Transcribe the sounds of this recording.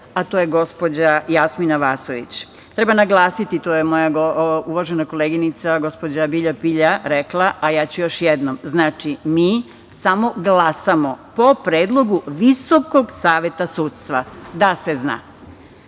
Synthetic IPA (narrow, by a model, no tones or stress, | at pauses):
at̪ojeɡo̞spo̞d͡ʑajasminaʋaːsoʋḭt͡ɕ | t̪ɾe̞banaɡlˠaːsit̪it̪oːjemo̞jaɡouʋaʒenako̞leːɡinit̪saɡo̞spo̞d͡ʑabiʎapiʎaɾeklˠaʔajaːt͡ɕujo̞ʃjed̪nomznaːt͡ʃimiː | samo̞ɡlˠaːsamo̞po̞pɾeːd̪lˠo̞ɡuʋiso̞ko̞ɡsaːʋe̞t̪asuːt̪st̪ʋad̪asezna̰ː